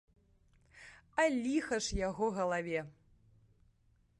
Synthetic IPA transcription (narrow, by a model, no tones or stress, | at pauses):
ɐlʲixɐʂjaɣɔɣɐlˠavʲɛ